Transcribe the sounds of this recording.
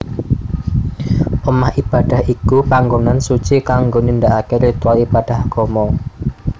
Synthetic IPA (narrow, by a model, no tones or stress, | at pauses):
pəmahʔib̥ad̥a̤hʔikupaŋɡonansu̥t͡ʃikaŋɡonind̪aʔakeɾit̪ualib̥ad̥a̤hɡ̥ɔmɔ